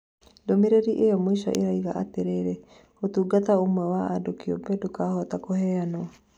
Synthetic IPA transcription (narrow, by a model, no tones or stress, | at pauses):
domeɾeɾiʔeɔmoisa̰ʔeɾaiɣaʔateɾeɾe | hotuɡat̪aomwɛwaadokio̰pɛdokaːhɔt̪akohɛanoɔ